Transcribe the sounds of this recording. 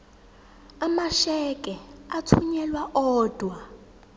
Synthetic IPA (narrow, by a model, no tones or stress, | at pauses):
amaʃɛkʼɛatʰuɲɛlwaʔɔːd̥ʱwa